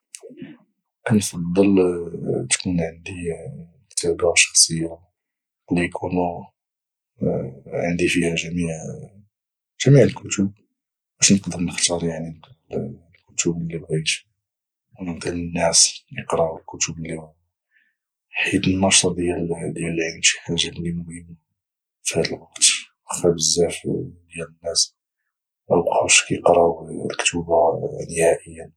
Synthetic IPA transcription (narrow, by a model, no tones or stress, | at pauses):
ʔənfɑd̪ˤːəl | t̪kunʕənd̪i | t̪əbaʃɑ̥xsˤəjːa | bəmikʰunu | ʕənd̪ifihæʒæmiʕ | ʒ̥æmiʕəlkʊt̪ub̚ | bæʃnəqd̪əɾnəxt̪ɑɾˤjaʕni | lkʊt̪ublːibɣit̪ | wməd̪ələnːæsjəqɾˤɑəlkʊt̪ʊbəlːihʊm | ħid̪ənːɑʃt̪ˤɑd̪jæld̪jælːʕilmʃi̥ħaʒablimʊhəmːa | fihæd̪əlwɑqt̪wəxæbəzːæfd̪jælənːæs | ʔæbqaʃkjəqɾɑwlkt̪ubanəhæʔəjːa